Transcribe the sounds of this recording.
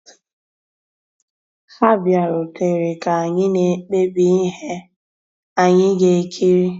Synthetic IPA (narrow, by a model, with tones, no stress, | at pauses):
fa˦bja˨ɾʊ˨te˨ɾe˨ka˨a˨ɲɪ˦ne˨˦k͡pe˦bi˦ɦe˦ | a˨ɲɪ˦ɡe˨˦kʰi˦ɾi˦